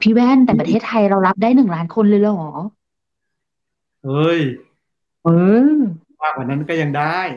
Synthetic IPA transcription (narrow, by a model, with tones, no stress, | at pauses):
pʰi˦˥wɛː˥˩˨nt̪ɛː˨˩pɾa˧t̪ʰeː˥˩t̪ʰːa˧jɾa˧wɾa˦˥p̚daː˥˩jnɯ˨˩ŋlaː˦˥nkʰo˧nlɤː˧jlːɔː˧˩˦ | ʔɤː˧j | ʔɤː˧ | aː˧˩kaː˨˩na˦˥nkɔː˥˩ja˧ŋdaː˥˩j